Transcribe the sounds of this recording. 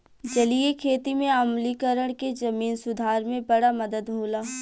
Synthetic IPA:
d͡ʒɐlijekʰeːt̪imẽɐmlikəɾəɽ̃ked͡ʒɐmiːnsʊd̪ʱaːɾmẽbɐɽamɐd̪əd̪ɦuːlaː

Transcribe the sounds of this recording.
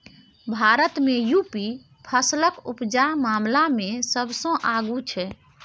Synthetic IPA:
bʱaɾət̪mejupi | pʰəsləkupd͡ʒamamlamesəbsə̃ʔaɡut͡ʃʰɛ

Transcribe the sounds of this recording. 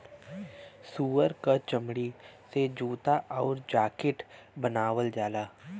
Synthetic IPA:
suːəɾkat͡ʃəmɽised͡ʒuːt̪aʔɔːɾd͡ʒaːkɪʈbənaːwəld͡ʒaːlaː

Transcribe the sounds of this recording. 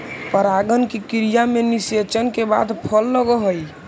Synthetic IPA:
pəɾaɡənkikiɾijameniset͡ʃənkeba̰d̪pʰəlːəɡəɦəj

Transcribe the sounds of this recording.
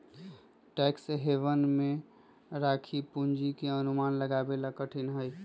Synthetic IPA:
ʈɛksɦeʋənme | ɾakʰipund͡ʒikeənumanləɡabelakəʈʰinɦəj

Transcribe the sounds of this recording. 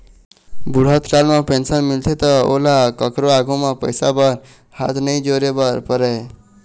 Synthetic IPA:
buɽ̤ɦət̪ʰkalmepensənmilt̪ʰet̪əo̰lakəkɾoaɡʱumepəjsabəɾ | hat̪ʰnəjd͡ʒoɾebəɾpəɾɛ

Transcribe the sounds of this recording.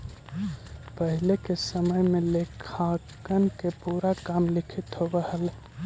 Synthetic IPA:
pəɦɪlekesəməjmẽlekʰakənkepuːɾakaːmlɪkʰɪt̪ɦobəhəl

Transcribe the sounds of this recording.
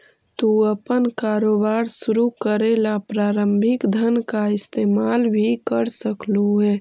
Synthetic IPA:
t̪uəpənkaːɾoːbaːɾsʊɾukəɾeːlapɾaːɾəmbʱɪkd̪ʱənkaɪst̪eːmaːlbʱikəɾsəkluɦɛː

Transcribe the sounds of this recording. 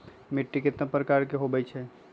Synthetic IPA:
mɪʈːikɪt̪napɾəkaːɾkeɦobɛjt͡ʃʰɛ

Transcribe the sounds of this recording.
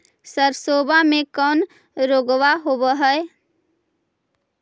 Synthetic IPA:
səɾsoːbamẽkɔːn | ɾoːɡʋaɦobəɦəe

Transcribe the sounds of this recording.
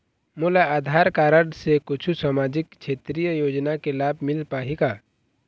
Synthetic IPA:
mʊlaaːd̪ʱaːɾkaːɾəɽsekʊt͡ʃʰusamaːd͡ʒɪkt͡ʃʰeːt̪ɾijəjoːd͡ʒnakelaːbʱmɪlpaːɦiɡaː

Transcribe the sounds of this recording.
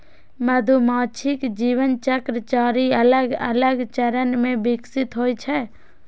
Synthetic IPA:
məd̪ʱumaːt͡ʃʰɪkd͡ʒiːʋənt͡ʃəkɾət͡ʃaːɾiələɡə̰ləɡt͡ʃəɾənmẽbɪksɪt̪ɦoːit͡ʃʰɛː

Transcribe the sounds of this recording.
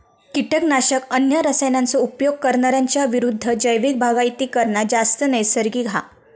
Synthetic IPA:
kiʈəknaɕəkənjəɾəsəjnant͡sɔupjoɡ̚kəɾɳaɾjaɲt͡ɕjaʋiɾud̪ʱːəd͡ʑəjʋik̚bʱaɡajt̪iːkəɾɳad͡zast̪ənəjsəɾɡiːɡʱa̰

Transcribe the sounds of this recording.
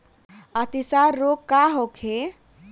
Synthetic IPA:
at̪isaɾːokkːaɦokʰe

